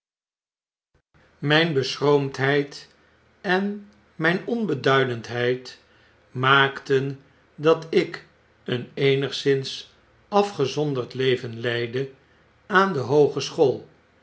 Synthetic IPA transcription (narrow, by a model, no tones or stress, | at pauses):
mɛjnbəsrowmtɦɛjt | ɛn | mɛjnɔnbədœɥdəntɦɛjt | maːktən | dɑtɪk | ənejnəχsɪns | ɑfχəzɔndərɹtlejvənlɛjdə | aːndəɦowχəsχoːlˠ